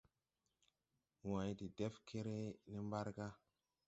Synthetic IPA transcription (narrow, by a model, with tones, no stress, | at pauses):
wã˨˦jti˨de˦fkʰe˦ɾe˦ne˦mba˦ɾɡa˦